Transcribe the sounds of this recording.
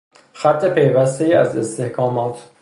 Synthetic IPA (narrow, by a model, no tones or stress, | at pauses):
xæt̪ʰːe̞pʰe̞jvæst̪e̞jiæ̰ze̞st̪e̞hkʰɒːmɒːt̪ʰ